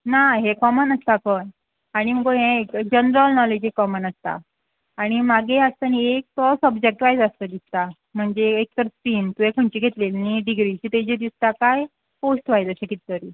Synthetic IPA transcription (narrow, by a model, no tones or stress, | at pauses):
naɦekɔmənəst̪akən | aɽ̃im̤əkoɦekd͡ʑənɾəlnɔled͡ʑɦekɔmənast̪a̰ː | ɽ̃imaɡeast̪aniek̚t̪ɔsəbd͡ʑek̚ʈʋajd͡zəst̪əd̪ist̪a | m̤əɳd͡ʑeːk̚t̪əɾspiːnt̪uekʰəɳt͡ɕiːɡʱet̪lelniɖiɡɾiːt͡ɕit̪ed͡ʑed̪ist̪akaj | posʈʋajd͡zəɕekit̪t̪əɾiː